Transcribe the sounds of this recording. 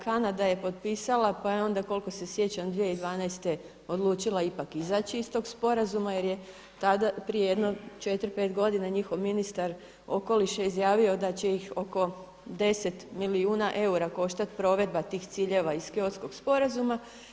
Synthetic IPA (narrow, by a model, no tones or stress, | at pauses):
kanad̪aje̞po̞t̪pisalapajeo̞nd̪ako̞lˠko̞se̞sje̞t͡ɕand̪ʋijeid̪ʋaːnajst̪e | o̞d̪lˠuːt͡ʃilˠaipakizat͡ɕiist̪o̞ːɡspo̞ɾazumajeɾje | t̪ad̪apɾijejed̪no̞t͡ʃe̞t̪ɾpe̞ːt̪ɡo̞d̪inaɲixo̞ʋminist̪aɾ | o̞ko̞liʃeizjaːʋio̞d̪at͡ɕejixo̞ko̞ | d̪e̞set̪miliuːnaʔe̞uɾako̞ʃt̪at̪pɾo̞ːʋe̞d̪̚bat̪iːxt̪siːʎe̞ʋaiz̥keot̪sko̞ɡspo̞ɾazuma